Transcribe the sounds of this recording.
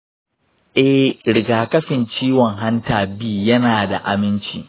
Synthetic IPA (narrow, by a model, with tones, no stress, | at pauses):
ʔɛ˦hɾɪ˨ɡaː˨kɐ˦ɸɪ˨nt͡ʃiː˦wɔ˨ŋɦa˦ntaː˨biː˦jɐ˦naː˨da̰˨ʔa˨mɪ˦nt͡ʃḭː˨